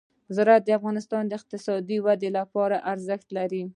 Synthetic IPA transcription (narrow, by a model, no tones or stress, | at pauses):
zɾat̪̚d̪əafɣɑnɪst̪ɑnd̪əɪq̚t̪ɪsɑd̪iwad̪elapɑɾaʔaɾzəxt̪laɾi